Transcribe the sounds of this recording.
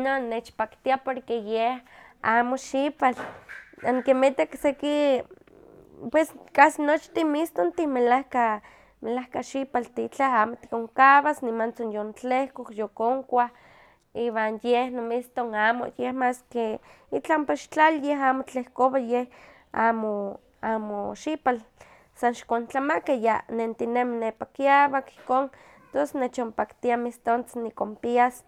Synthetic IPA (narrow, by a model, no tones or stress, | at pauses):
nonːet͡ʃpakt̪iapoɾkejehaːmoʃipalaŋkimet̪akseki | pweskasinot͡ʃt̪imist̪ont̪imelahka | melahkaʃipalt̪it͡ɬaaːmot̪i̥koŋkaβasnimant͡sonjont͡ɬehkokjokoŋkʷah | iwanjehnomist̪oŋaːmo̰jehmaske | it͡ɬampaʃt͡ɬaljeɦaːmot͡ɬehkoβajeh | amo | aːmoʃipal | sanʃkont͡ɬamakajanent̪ineminepakiaβaki̥hkoːn | t̪osnet͡ʃompakt̪iamist̪ont͡sinikompias